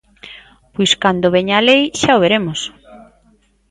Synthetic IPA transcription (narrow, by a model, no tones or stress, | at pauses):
pojskand̪oβeɲalejʃaoβeɾemos